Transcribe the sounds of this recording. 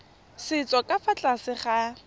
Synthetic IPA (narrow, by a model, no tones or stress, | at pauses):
sɪt͡sʼɔkʼafat͡ɬʼasɪχa